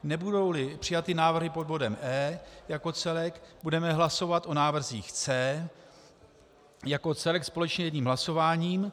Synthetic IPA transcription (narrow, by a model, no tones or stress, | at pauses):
nɛbudo̞wlɪpr̝̥ɪjat̪ɪnaːvr̩ɦɪpo̞dbo̞dɛmʔɛːjako̞t͡sɛlɛkbudɛmɛɦlaso̞vat̪o̞naːvr̩ziːxt͡sɛː | jako̞t͡sɛlɛkspo̞lɛt͡ʃɲɛjɛdɲiːmɦlaso̞vaːɲiːm